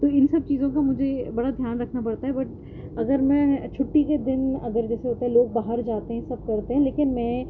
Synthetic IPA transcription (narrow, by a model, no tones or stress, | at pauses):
t̪oːɪnsɐb̚t͡ʃiːzõkamʊd͡ʒʱebɐɽad̪ʱjaːnɾɐkʰnapɐɽt̪aɦɛbɐʈ̚ | ɐɡəɾmɛ̃ːt͡ʃʰʊʈːiked̪ɪnɐ̰ɡəɾd͡ʒɛːseɦoːt̪eɦɛ̃loːɡ̚baːɦəɾd͡ʒaːt̪eɦɛ̃sɐb̚kɐɾt̪eɦɛ̃leːkɪnmɛ̃ː